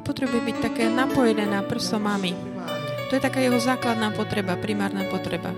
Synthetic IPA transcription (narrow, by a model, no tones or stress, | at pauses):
pɔt̪ɾɛbujubic̚t̪akɛːnapɔjɛd̪ɛːnapr̩sɔmami | t̪ɔjɛt̪akaːjɛɦɔzaːklad̪naːpɔt̪ɾɛbapɾimaːɾnaːpɔt̪ɾɛba̰